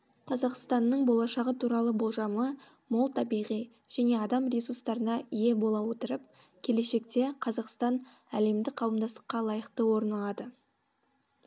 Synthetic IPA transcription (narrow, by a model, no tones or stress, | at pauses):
qʰɑzɑqst̪ɑnːəɴbolˠɑʃɑʁət̪ʰuɾɑlˠəbo̞lˠʒɑmə | molˠt̪ʰɑbijʁij | ʒ̥æne̞ɑd̪ɑmɾʲisust̪ɑɾənɑije̞bo̞lˠɑwot̪əɾəp̚ | kʲʰe̞le̞ʃe̞kt̪e̞qʰɑzɑqst̪ɑn | æle̞md̪ɪqʰɑwəmd̪ɑst̪ə̥qːɑlˠɑjəqt̪əwo̞ɾnɑlˠɑd̪ə